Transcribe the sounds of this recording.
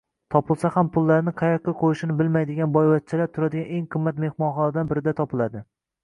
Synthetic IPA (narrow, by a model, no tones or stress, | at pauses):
t̪ʰɒpʰɪlˠsahampʰʊlˠːaɾnɪqʰɑjɑq̚ːaqʰojɪʃɪnɪbɪlmajd̪ɪɡʲanbɒjvat̪̚t͡ʃʰɪlaɾt̪ʰʊɾad̪ɪɡʲaneŋqʰɨmːat̪mehmɒnχɒnad̪anbɪɾɪd̪at̪ʰɒpɪlad̪ɪ